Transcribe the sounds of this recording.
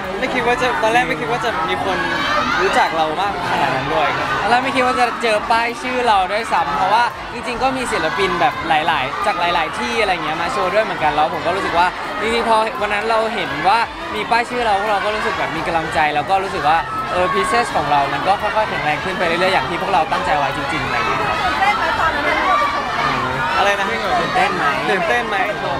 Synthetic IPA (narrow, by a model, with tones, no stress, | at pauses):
ma˥˩jkʰi˦t̪̚waː˥˩t͡ɕa˨˩t̪ɔː˧nlɛː˥˩kma˥˦jkʰi˦˥t̚waː˥˩t͡ɕa˨˩miː˧kʰo˧nɾuː˦˥t͡ɕa˨˩k̚ɾa˧wmaː˥˩k̚a˧˩kʰa˧na̰ː˨˩na˦˥ndu˥˩əja˦˥ɔː˧nlɛː˥˩ma˥˩jkʰi˦˥t̚waː˥˩t͡ɕa˨˩t͡ɕɤː˧paː˥˩jt͡ɕʰɯː˥˩ɾa˧wdu˥˩əjsa˦˥mpʰɾɔ˦˥waː˥˩ | t͡ɕi˧ŋt͡ɕi˧ŋkɔː˥˩miː˧s̬i˨˩t̪̚la˦˧pi˧nbɛː˨˩p̚laː˩˦jlaː˩˦jt͡ɕaː˨˩k̚laː˩˦jlaː˩˦jt̪ʰiː˥˩ʔa˧ɾa˧ja˨˩ŋːi˦ɐ˧maː˧t͡ɕʰoː˧du˥˩əjmɯ˩˦ŋka˧nla˧wpʰo˨˩˦kɔː˥˩ɾu˦sɯ˨˩kwaː˥˩ | t͡ɕi˧ŋt͡ɕi˧ŋpʰɔː˧wa˧nːa˦˥nɾa˧wɦe˩˦nwaː˥˩ | miː˧paː˥˩jt͡ɕʰɯː˥˩ɾa˧wʰu˥˩k̚ɾa˧wkɔː˥˩ɾuː˦˥sɯ˨˩k̚bɛː˨˩p̚miː˧ka˧la˧ŋt͡ɕa˧jlɛː˦˥wkɔː˥˩ɾuː˦˥s̬ɯ˨˩k̚waː˥˩ | ʔɤː˧pʰi˦˥seː˥˩skʰɔː˩˦ŋɾa˧wma˧nkɔː˥˩xʰɔ˥˩jkʰɔ˥˩jpʰɛ˨˩˦nɾɛː˧ŋkʰɯ˥˩npa˧jɾa˥˩ɾɯ˥˩əjaː˨˩t̪ʰiː˥˩u˥˩ək̚ɾa˧wt̪a˥˩ŋt͡ɕa˧jwa˦˥jt͡ɕi˧ŋt͡ɕi˧ŋʔa˨˧ɾa̰˧jkʰa˦˥p̚a˦˥a˧˩˧a˥˧˩ʔɤː˧˩ | ʔa˧ɾa˧jna˦˥a˥˩a˧t̪ɯː˨˩nt̪e˥˩nma˦˥jːt̪e˥˩nma˦˥jʰ